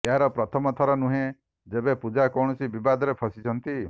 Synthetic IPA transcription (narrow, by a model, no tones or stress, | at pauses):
eɦaɾɔpɾɔt̪ʰɔmɔt̪ʰɔɾɔnuɦẽ | d͡ʒebepud͡ʒakɔwɽ̃ɔsibibad̪ɔɾepʰɔsit͡ʃʰɔnt̪i